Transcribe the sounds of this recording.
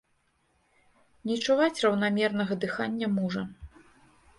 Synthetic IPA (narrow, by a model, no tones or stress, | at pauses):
nʲit͡ʂuvat͡sʲrɐwnamʲɛrnɐɣɐd̪ɨxanʲːɐmuʐɐ